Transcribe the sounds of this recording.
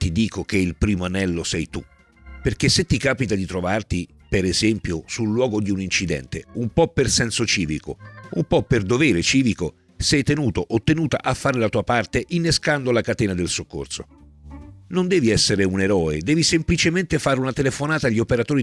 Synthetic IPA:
t̪id̪iːkʰok̟eilpɾiːmoanɛlːosɛjt̪u | perk̟esːet̪ːikaːpit̪ad̪it̪ɾovart̪i | peɾezɛmpjosulːwɔːɡod̪iunint͡ʃid̪ɛ̰nt̪ḛumpɔpːersɛnsot͡ʃiːviko̰umpɔpːerd̪ovɛːɾet͡ʃiːviko | sɛjt̪enuːt̪oʔot̪ːenuːt̪a̰ʔafːaːɾelat̪uːapart̪eʔinːeskand̪olakat̪ɛːnad̪elsokːo̰rso̰ | nond̪ɛːviɛsːeɾeuneɾɔːed̪ɛːvisemplit͡ʃement̪efaːɾeunat̪elefonaːt̪aːʎːiopeɾat̪oːɾi

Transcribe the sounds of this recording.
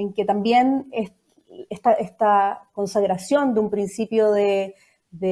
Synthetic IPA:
eŋket̪ambje̞ne | eht̪aʔest̪ako̞nsaɣɾasjo̞nd̪eumpɾinsipjoðe | ðe

